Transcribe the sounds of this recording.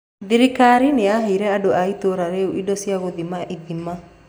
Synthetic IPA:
ðiɾikaɾineaɦiɾɛadoʔait̪oɾaɾeuʔidɔsiaɣoðimaʔiðima

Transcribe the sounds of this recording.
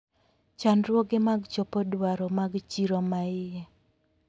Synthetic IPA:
t͡ʃanɾwɔɡɪmaɡt͡ʃɔpɔdwaɾɔmaɡt͡ʃiɾomaɪjɛ

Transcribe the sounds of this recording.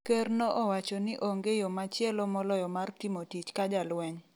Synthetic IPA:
kɛrnɔʔɔwat͡ʃɔnɪʔoŋɡejɔmat͡ʃjɛlɔmɔlɔjɔmartɪmotit͡ʃkad͡ʒalwɛɲ

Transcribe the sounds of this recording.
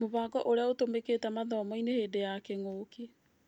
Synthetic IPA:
moβaːɡɔʔoɾeaotomekeːtamaðɔmɔineheːdejakɛŋoːke

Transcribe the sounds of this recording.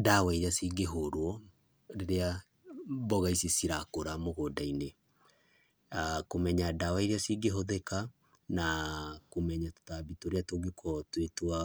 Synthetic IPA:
dawaiɾeasiɡeɦoɾwɔ | ɾeɾea | bɔɣaisisiɾakoɾamoɣodaine | akomɛɲadawaiɾeasiɡeɦoðɛka | nakomɛɲato̥tabitoɾeatoɡekʰɔtwetwa

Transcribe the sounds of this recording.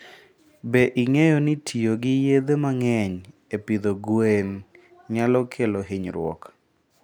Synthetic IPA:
beʔɪŋejɔnɪtʰioɡɪjed̪emaŋɛɲ | epid̪oɡwen | ɲalɔkʰeloɦiɲɾwɔ̰k

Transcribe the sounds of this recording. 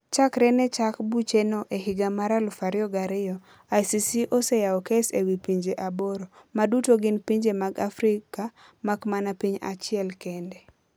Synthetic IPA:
t͡ʃakɾɛnɛt͡ʃakbut͡ʃenoʔeɦiɡamaɾalʊfaɾjɔɡaɾɪjɔ | ajsisiʔosejaɔkesewipiɲd͡ʒeʔaboɾomadutoɡɪnpiɲd͡ʒemaɡafɾika | makmanapiɲa̰t͡ʃɪɛlkende

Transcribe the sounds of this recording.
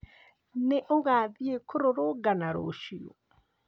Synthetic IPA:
neʔoɣaðiekʰoɾoɾoɡanaɾo̰ʃio̰

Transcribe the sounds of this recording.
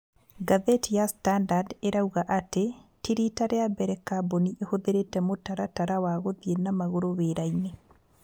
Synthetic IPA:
ɡaðetijastandadeɾauɣaʔatetiɾitaɾeabɛɾɛkaboniʔehoðeɾetɛmotaɾataɾawaɣoðienamaɣoɾoβeːɾaine

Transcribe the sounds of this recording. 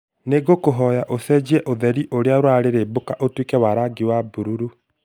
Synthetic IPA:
neɡokoɦɔjaʔosɛd͡ʑiɛʔoðɛɾiʔoɾeaɾwaɾeɾebokaʔotwekɛwaɾaɡiwabuɾuɾu

